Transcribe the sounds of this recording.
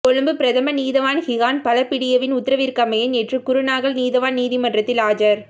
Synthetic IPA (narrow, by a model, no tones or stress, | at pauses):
kɔɻɯmbɯpɪɾɐðɐmɐniːðɐʋaːnhɪɣaːnpɐlɐpːɪɽɪjɐʋɪnʊt̪ːɐɾɐʋiːɾkɐmɐjɐnɛʈrɯkʊɾɯnaːɣɐlniːðɐʋaːnniːðimɐndrɐt̪ːɪlaːd͡ʒɐɾ